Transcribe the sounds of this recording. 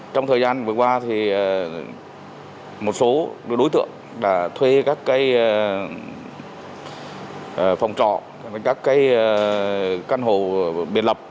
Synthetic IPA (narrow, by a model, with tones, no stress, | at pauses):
t͡ɕɔ˧wŋ͡mt̪ʰəː˨˩jzaː˧nvɨ˨˩kwaː˧t̪ʰi˨˩əː˨˩ | mo˨˩t̚so˨˦ɗo˨˦jt̪ɨ̰˧˨əŋ | ɗa̰ː˧˩t̪ʰwe˧kaː˦˥kːaː˨˦j | ʔfa˨˩wŋ͡mt͡ɕɔ̰˧˨ | kaː˦˥kːaː˨˦jə˧˩ | ka˧nɦo˧˨˩ɓḭ˧˩ənlə˨˩p̚